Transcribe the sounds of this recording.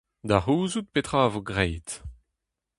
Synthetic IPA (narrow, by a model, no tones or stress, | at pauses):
d̪aʁuːzut̪̚pet̪χaːvoɡʁɛjt̪